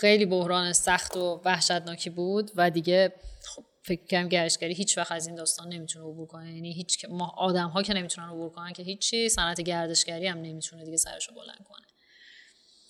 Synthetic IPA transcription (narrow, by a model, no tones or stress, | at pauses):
xejliːbohɾɒːnesæxt̪ʰovæhʃæt̪nɒːcʰiːbuːd̪væd̪iɟe̞xobfe̞cʰmicʰkʰæɾd̪imɟæɾeʃcæɾiːɦiːt͡ʃʰvæxt̪æzind̪ɒːst̪ɒːnːe̞mit̪ʰuneobuːɾkʰo̞nejæniɦiːt͡ʃcʰmːʔɒːd̪æmɦɒːcʰe̞ne̞mit̪ʰunænobuːɾkʰo̞næncʲʰe̞ɦiːt͡ʃʰːisænæt̪ʰeɟæɾd̪e̞ʃcæɾiæmne̞miːt̪ʰuned̪iɟe̞sæ̰ɾeʃobo̞læ̰nd̪̚kʰo̞̰ne